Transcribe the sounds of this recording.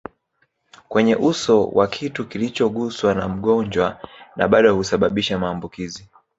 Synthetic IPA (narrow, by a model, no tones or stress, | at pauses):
kwɛɲɛʔusɔwʔa̰kʰitukilit͡ʃɔɠuswanam̩ɠɔɲd͡ʒwanʔa̰ɓaɗɔhusaɓaɓiʃamaːmbukizi